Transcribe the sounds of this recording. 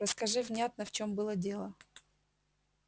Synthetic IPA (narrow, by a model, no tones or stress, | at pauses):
ɾəskɐʐɨvnʲat̪nəft͡ɕo̞mbɨlˠədʲe̞lˠə